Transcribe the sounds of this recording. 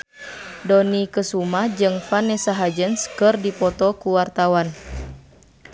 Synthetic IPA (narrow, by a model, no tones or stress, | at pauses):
dɔnikəsumad͡ʒɨŋfanɛsaɦad͡ʒənskɨrdipɔt̪ɔkuwart̪awan